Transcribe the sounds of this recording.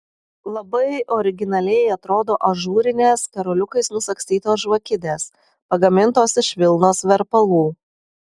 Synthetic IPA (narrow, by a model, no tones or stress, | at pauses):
lˠɐbɐɪɔɾʲɪɡʲɪnɐlʲɛjɐt̪ɾoːd̪oːʔɐʒuːɾʲɪnʲeːskɐɾɔlʲʊkɐɪsnʊsɐkst̪ʲiːt̪oːsʒʋɐkʲɪd̪ʲeːs | pɐɡɐmʲɪnt̪oːsɪʃʋʲɪlˠnoːsʋʲɛɾpɐlˠuː